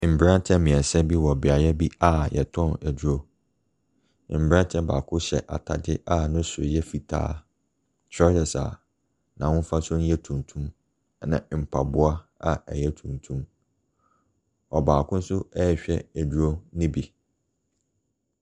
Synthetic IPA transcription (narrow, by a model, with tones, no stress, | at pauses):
m̩˨bɾã˦n˦tʰɛ̃˦mĩ˨ɛ˨sɛ˦bi˦wɔ˨bɪ˨a˨jɛ˦bi˦a˦jɛ̰˨tʰɔ̃˦˨æ˨d͡ʑu˨ɾo˦˨ | m̩˨bɾã˦n˦tʰɛ̃˦baː˨kʰʊ̃˦ɕɛ˨ʔa̰˨tʰa̰˨dɪ˦ʔa˦nʊ̃˦sʊ˨jɛ˦fi˨tʰa̰ː˦ | t͡ɕʰɔ˦jɛ˨sa̰˨ | nã˨wʊ̃˦n˦fa˦sʊ̃˦n˦jɛ˦tʰũ˨n˨tʰũ˦m | nã̰˨m̩˨pʰa˨bʊ˦a˦a˨ɛ˨jɛ˦tʰũ˨ntʰũ˦m | ɔ˨baː˨kʰʊ̃˦n̩˦sʊ˦ɛ˦ɛ˨ɕᶣɛ̰˦æ˨d͡ʑᶣu˦ɾo˦nɪ̃˦bi˨